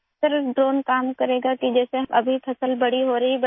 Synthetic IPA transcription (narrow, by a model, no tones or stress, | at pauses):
əɾɖɾoːnkaːmkɐɾeːɡakid͡ʒɛːseɦʔɐ̰bʱipʰɐsəlbɐɽ̤iɦoɾɐɦibɐ